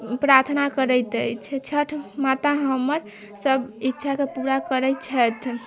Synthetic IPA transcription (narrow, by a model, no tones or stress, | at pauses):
pɾaɾt̪ʰnakəɾɛjt̪əjt͡ʃʰɛt͡ʃʰəʈʰmat̪aɦəməɾ | səbik̚t͡ʃʰakepuɾakəɾɛt͡ʃʰɛt̪ʰ